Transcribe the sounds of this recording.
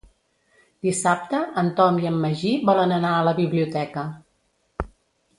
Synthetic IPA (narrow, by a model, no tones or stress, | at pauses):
d̪̥isap̚t̪əʔənt̪ɔmiəmːəʒiβɔlənənaələβiβliut̪ɛkə